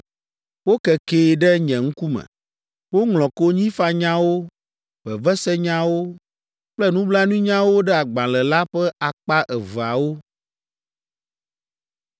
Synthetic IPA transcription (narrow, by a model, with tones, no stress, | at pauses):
wo˦kɛ˨keː˨ɖɛ˦ɲɛ̃˨ŋ̩˦ku˦mɛ̰̃˨ | wo˦ŋlɔ̃˨ko˦ɲĩ˦fa˦ɲã˦wo˦ | b̥ɛ˨vɛ˦sɛ˦ɲã˦wo˦ | k͡plɛ˦nũ˦bla˦nũ˦ɲã˦wo˦ɖɛ˦a˨ɡ͡bã˨lɛ˨la˦ɸɛ˦ʔa˨k͡pa˦ʔɛ˨və˨a˨wo˦